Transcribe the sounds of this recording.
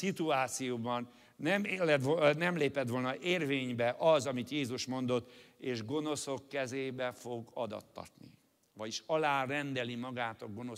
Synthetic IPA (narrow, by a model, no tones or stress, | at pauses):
sit̪uaːt̪sijoːbɒnː | ɛmelɛt̪onɛmleːpɛt̪ʋo̞lnɒʔeːrveːɲbɛʔɒzɒmit̪jeːzuʃmo̞n̪d̪o̞t̪ːeːʒɡo̞no̞so̞kːɛzeːbɛfo̞ɡɒd̪ɒ̰t̪ːɒ̰rt̪nḭ | ʋvɒɟiʃɒlaːrɛnd̪ɛlimɒɡaːt̪ɒɡo̞no̞